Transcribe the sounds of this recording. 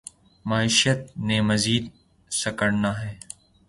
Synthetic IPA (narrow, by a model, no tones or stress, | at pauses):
maːiːʃət̪̚neːmɐziːd̪ | sɐkəɽnaːɦɛː